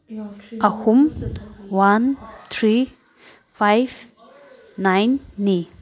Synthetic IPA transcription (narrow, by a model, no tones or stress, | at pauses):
ʔahumwant̪ʰɾi | fajvː | ajnːi